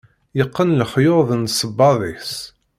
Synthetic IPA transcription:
jəqːənləχjoðˤnsəbːɑðˤis

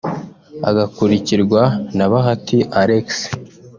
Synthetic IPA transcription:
a̰ɡakuɾiciɾɡwanaβaɦatiʔaɾeks

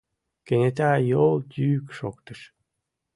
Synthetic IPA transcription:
kenet̪æjolˠt̪ʲyːkʃo̰kt̪əʃ

